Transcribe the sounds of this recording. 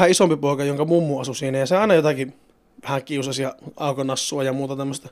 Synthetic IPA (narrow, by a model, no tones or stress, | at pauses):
hæisompipoˑekɑjoŋkɑmumːuɑsusiːnæjɑseɑˑenɑjot̪ɑki | ʋæhæŋkiusɑsjɑɑˑukonɑsːuɑjɑmuːt̪ɑt̪æmːəst̪ɑ